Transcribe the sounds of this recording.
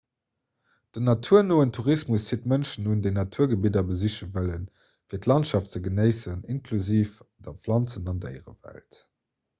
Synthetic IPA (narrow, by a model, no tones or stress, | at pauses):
d̥ənɑtʰuɐnoːəntʰuʁismusiətmənʃənundeɪnɑtʰuːɐɡəbidɐbəziɕəvələn | fiːɐtlɑntʃɑftt͡səɡənəɪsəninkʰluziːfdɐflɑnt͡sənɑndæ̰ɪʁə̰væ̰lt